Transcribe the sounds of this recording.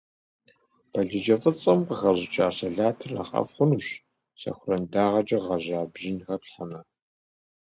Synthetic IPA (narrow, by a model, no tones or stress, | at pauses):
b̥ɐɮɨd͡ʒɐfɨt͡sʼɐmqəɣɐʑɪt͡ʃʼaːsɐɮaːtʰɨrɐ̰qʼɐ̰fχʷʊnuːɕ | sɐ̰xʷʊrɐndaːʁɐd͡ʒʼɐʁɐʒaːbʒɪnxɐpɬħɐmɐ